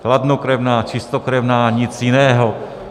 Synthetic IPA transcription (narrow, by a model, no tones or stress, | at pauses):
klad̪nukɾɛvnaːt͡ʃist̪okɾɛvnaːɲit͡sjinɛːɦɔ